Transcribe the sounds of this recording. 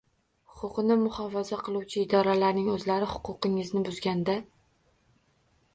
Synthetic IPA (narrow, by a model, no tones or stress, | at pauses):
hʊqʊqɨnɪmʊhɒfazaqʰɨlˠuwt͡ʃʰɪːd̪ɒɾalaɾnɪŋɵzlaɾɪhʊ̥qʰʊqɪŋɪznɪbʊzɡʲand̪a